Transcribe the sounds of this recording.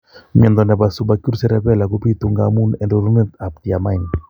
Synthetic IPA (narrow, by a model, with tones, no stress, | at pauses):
ɲɛ˨nd̪ɔ˨nɛ˨ba˨su˨ba˨ku˦ɾsɛ˦ɾɛ˦pɛ˦la˨ku˦pi˦t̪u˨ŋɡa̰mu˦nɛ˨ndɔ˨ɾu˦nɛ˦t̪a˨p̚t̪i˨a˨ma˦i˨n